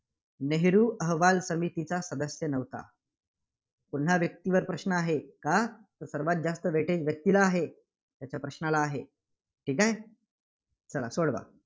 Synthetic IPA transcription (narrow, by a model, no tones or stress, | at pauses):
neɦɾuːʔəɦʋalsəmit̪it͡sasəd̪əsjənəʋt̪a̰ | puɳɦaʋjək̚t̪iʋəɾpɾəɕnəaɦekat̪əɾsəɾʋat̪̚d͡zast̪əʋeʈed͡ʑʋjək̚t̪ilaːɦe | t̪jat͡ɕjapɾəɕnalaːɦe | ʈʰiːkaj | t͡səla̰soɽʋa̰